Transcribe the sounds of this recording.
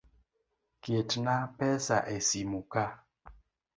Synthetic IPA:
kjetnapɛsa̰ʔesimuka

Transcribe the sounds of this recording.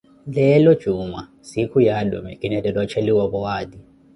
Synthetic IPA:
lɛlɔd̥ʒ̥ʱuma | sikʰujalṵmɛ̰kʼinɛdɛlɔt͡ʃʰɛliwaβɔwaːdi

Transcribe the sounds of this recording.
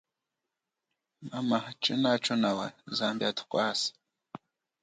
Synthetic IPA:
mamaht͡ʃʼɨnat͡ʃʰʼonawa̰zambʲatʰkʷʼas

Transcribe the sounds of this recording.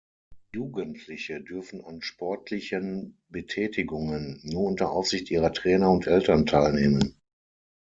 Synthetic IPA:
juːɡəntʰlɪçədʏɐfn̩anʃpʰɔɐtʰlɪçən | bətʰɛːtɪɡʊŋənːuːɐʊntɐʔaʊfz̥ɪçtʔiːʁɐtʁ̥ɛːnɐʊntʔɛltɐntʰaɪlneːmən

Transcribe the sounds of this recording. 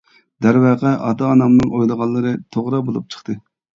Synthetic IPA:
d̪̥æɾwɛʁɛʔɑ̰d̪ɑnɑmnɨŋojlˠəʁɑnˠːɨɾɨt̪ʰoʁɾɑbolˠup̚t͡ʃʰə̥χt̪ɨ

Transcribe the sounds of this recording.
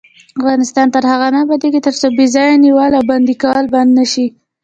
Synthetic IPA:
afɣɑnɪst̪ɑnt̪əɾhaɣanabad̪eket̪əɾsobizɑjaniwalawband̪ikɑlband̪naʃi

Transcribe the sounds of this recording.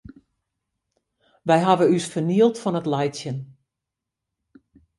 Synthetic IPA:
ʋɛjɦaʋəysfərniəlˠtfɔnətlɛjtsjən

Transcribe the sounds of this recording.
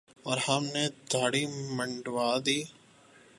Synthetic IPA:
ɔːɾhɐmned̪ʱaːɽimə̃ɳɖwaːd̪iː

